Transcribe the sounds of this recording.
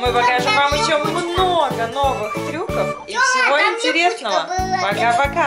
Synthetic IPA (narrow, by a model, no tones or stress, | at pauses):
mɨpɐkaʐɨmvamɪt͡ɕːomːnoɡənovɨxt̪ɾʲukəf | ifsʲɪvo̞ɪnʲtʲɪɾʲe̞snəvəmɐɡapɐka